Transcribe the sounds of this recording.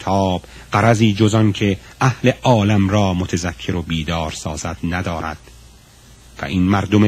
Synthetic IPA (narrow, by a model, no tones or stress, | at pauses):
t̪ʰɒːb̥ | ɢæɾæziːd͡ʒozɒnkʰe̞ʔæhle̞ʔɒːlæmɾɒːmot̪ʰezækʰːe̞ɾo̞biːd̪ɒːɾsɒːzæd̪̥næd̪ɒːɾæ̰d̪̥ | væ̰ʔinmæɾd̪ome